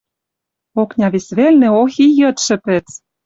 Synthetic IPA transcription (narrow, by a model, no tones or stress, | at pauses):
oknʲɑβisβelnĕoxijɤ̆t̪ʃɘ̆pĕt͡s